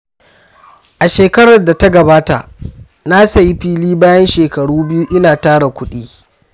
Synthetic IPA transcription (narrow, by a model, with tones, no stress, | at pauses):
ʔa˨ʃeː˨kɐ˦ɽɐ˨rda˨ta˦ɡɐ˨baː˦ta̰˨ʔ | na˦sɐ˨ji˦ɸiː˦liː˦baː˦jɐ˦nʃeː˨kɐ˨ɽuː˦bɪ˦ju˦ʔɪ˦naː˨taː˦ɽa˨kʷʊ˦ɗiː˦